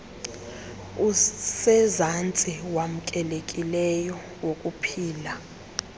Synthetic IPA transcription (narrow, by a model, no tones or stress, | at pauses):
usɛzant͡sʼiwam̩kʼɛlekʼilɛjɔ | wokʼupʰiːla